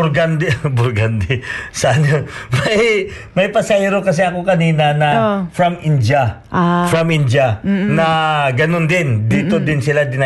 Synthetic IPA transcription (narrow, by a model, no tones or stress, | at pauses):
ɾɡand̪ɪbʊɾɡand̪ɪsɐɐnomɐj | mɐjpɐsɐɛɾokɐs̬ɛɐko̞kɐniːnɐnɐfɾɐmɪnd͡ʒa | fɾɐmʔɪnd͡ʒanɐɡɐnond̪ɪnd̪iːt̪od̪ɪnsɪlad̪ɪn